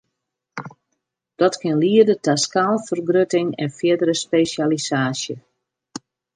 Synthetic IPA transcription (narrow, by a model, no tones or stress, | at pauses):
d̥ɔtkɪnliərdətaskalˠfərɡrøtɪŋɛ̰nfjɪdəɾəspeːsjalisaːsjə